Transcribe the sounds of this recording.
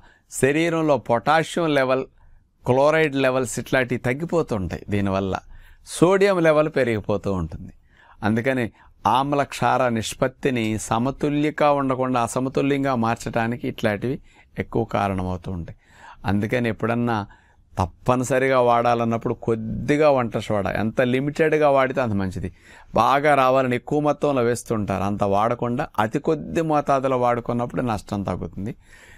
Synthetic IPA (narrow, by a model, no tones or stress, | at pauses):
ʃɐɾiːɾɐmlo̞ːpɔʈaːʂjɐmlɛʋɐl | kloːɾɐjʈlɛʋɐlsiʈlaːʈit̪ɐɡːipoːt̪uːɳʈa̰ːjid̪iːniʋɐlːɐ̰soːɽijɐmlɛʋɐlpeɾɐɡipoːt̪uːuɳʈund̪i̥ | ɐnd̪ukɐni | aːmlɐkʂaːɾɐniʂpɐt̪ːinisɐmɐt̪uljɐkaːuɳɖɐkuɳɖaːsɐmɐt̪uljɐŋɡaːmaːɾt͡ʃɐʈaːnikiːʈlaːʈiʋi | ekːuʋɐka̰ːɾɐɳɐmɐwut̪uːɳɖɐ | ɐ̰nd̪ukɐniepːuɽɐnːaː | t̪ɐpːɐnɐsɐɾiɡaːʋaːɽaːlɐnːɐpːuɽukod̪ːiɡaːʋɐɳʈɐʂɐʋaːɽa̰ʔḛnt̪ɐlimiʈeɖɡaːʋaːɽit̪eɐnt̪̬ɐmɐɲt͡ʃid̪ibaːɡaːɾaːʋaːlɐniekːuʋɐmɔt̪ːɐmloːʋeːst̪uːɳʈa̰ːɾuɐnt̪ɐʋaːɽɐkuɳɖaːʔɐt̪ikod̪ːimɔːt̪aːd̪ulɐʋaːɽukɔnːɐp̬ːuɽunɐʂʈɐmt̪ɐɡut̪und̪i